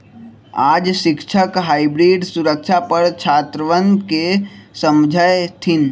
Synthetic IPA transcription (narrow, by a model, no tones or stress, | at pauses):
aːd͡ʒʃɪkʃʰəkɦaːibɾiːɖsuɾəkʃʰapəɾt͡ʃʰaːt̪ɾəʋənkesə̃md͡ʒʱajt̪ʰɪn